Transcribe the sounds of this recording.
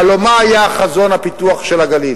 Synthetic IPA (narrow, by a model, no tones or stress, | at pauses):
alomaːjaχazo̞nhapit̪uaχʃelaɡalil